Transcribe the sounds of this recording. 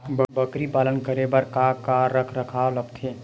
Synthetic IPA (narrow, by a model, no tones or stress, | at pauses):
bəbəkɾipaːlənkəɾebəɾkakaɾəkʰɾəkʰaoləbt̪ʰeː